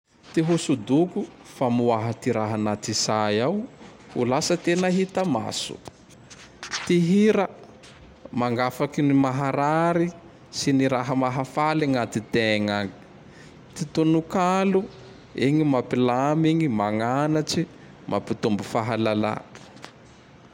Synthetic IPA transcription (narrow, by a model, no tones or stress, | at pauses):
t̪iɦusud̪ukufamuaɦat̪iɾaɦanat̪isajaw | ulasət̪enaɦit̪əma̰sṵ | t̪iɦiɾə | maŋɡafakinimaɦaɾaɾi | siniɾaɦəmaɦafaliŋat̪it̪eŋaŋi̥ | t̪it̪unukalu | iŋimapilamiɲimaŋanat͡ʃi | mʔa̰pit̪umbufaɦalala̰